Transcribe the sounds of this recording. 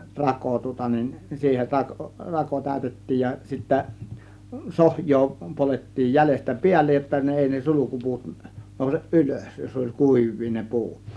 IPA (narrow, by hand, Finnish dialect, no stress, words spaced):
rɑko tŭŏtɑ nin siːhen rɑkŏ rɑko tæˑø̝tetːiːj jɑ sitːæ sohjˑoː poletːiːj jælestæ piælːej jotːɑ ne eˑi ne sulukupuːt noˑuseʔ ʔyløs jos olʲ kuˑiʋˑiː ne pu̞ut